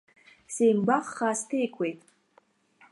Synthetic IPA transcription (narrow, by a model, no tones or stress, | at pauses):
sejmbaχːaːstʰejkʷʰe̞jtʼ